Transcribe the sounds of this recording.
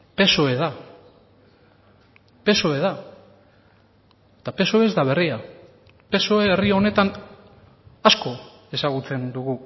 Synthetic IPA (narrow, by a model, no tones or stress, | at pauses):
pe̞soe̞ða | pe̞soe̞ð̞a | et̪ape̞so̞ezd̪aβ̞e̞ria | pe̞soeːriaone̞t̪an | asko̞ | e̞saɣ̞ut͡se̞nd̪uɣu